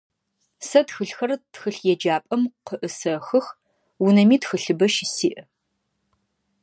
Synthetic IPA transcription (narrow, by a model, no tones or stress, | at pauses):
sɐtxɨɬxɐrtxɨɬjɛd͡ʒaːpʼɐmqəʔɨsɐxɨx | wʊnɐmiːtxɨɬɨbɐʃisiːʔɐ